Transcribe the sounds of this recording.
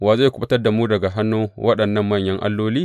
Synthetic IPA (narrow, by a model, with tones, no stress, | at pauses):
waː˨zo˦˨kʊ˦ɓɐ˦tɐ˦rda˨muː˦dɐ˨ɡa˨ɦa˦nːuː˦wʔɐ˦ɗɐ˨nːɐ˦˨mːɐ˦˨ɲjɐ˦ŋʔa̰˦lːoː˦liː˦